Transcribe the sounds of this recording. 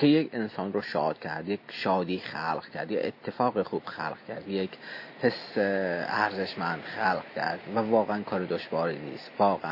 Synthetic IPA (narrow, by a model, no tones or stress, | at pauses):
kʰejekʰensɒːnroʃɒːd̪̥̚kʲʰæɾd̪jekʰʃɒːd̪iːχælʁ̥cʰæ̰ɾd̪jeet̪ʰːefɒːɣixuːb̥xæ̰lqcʰæɾd̪jekʰhʰeseæɾze̞ʃmænd̪̥xælqcʰæ̰ɾd̪̥vævɒːɣeænkʰɒːɾed̪oʃvɒːɾiːnḭːst̪vɒːɣeʔæn